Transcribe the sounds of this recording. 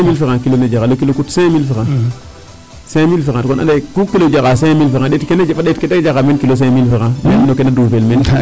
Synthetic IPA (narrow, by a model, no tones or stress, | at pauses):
milfikãkiloned͡ʒakalokilokutsẽmilfikã | semilfikãtkona̰ndakukːilod͡ʒakasemilfikãɗetkenafaɗetkedekd͡ʒakamenkilos̬emilfikãmennokenadupelmen